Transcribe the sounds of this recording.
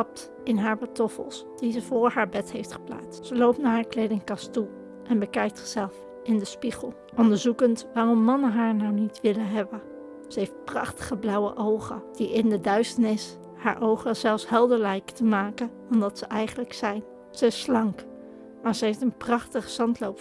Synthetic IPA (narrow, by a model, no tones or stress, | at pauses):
tɑp̚t | ɪnɦaːɹbatɔfə̰lˠsd̥izəvʊːɹɦaːɹbɛtɦejftχə̥pla̰ːtstsəlowp̚tnaːɹɦaːɹklejdɪŋkɑstu | ʔɛnbəkɛjk̚tsɪ̥z̥ɛlˠf | ɪndəspiχəlˠ | ʔɔndəɹzukəntʋaːrɔmːɑnəɦaːɹnawnitʋɪləɦɛbən | z̥əɦejft̚prɑχtə̥χəblʌwə̰ʔowχə̰d̥iɪndədœɥstəɹnɪs | ha̰ːɹʔowχəz̥ɛlˠfsɦɛlˠdəɹlɛjktəmaːkən | ɔmdɑtsəʔɛjχənləksɛjn | z̥əɪslɑŋk | maːɹzəɦejftənprɑχtəχəz̥ɑntlowp